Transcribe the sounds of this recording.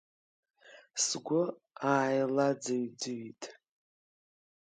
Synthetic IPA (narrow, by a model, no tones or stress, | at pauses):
sɡʷʊ | aːjlad͡zaɥd͡zɨɥitʼ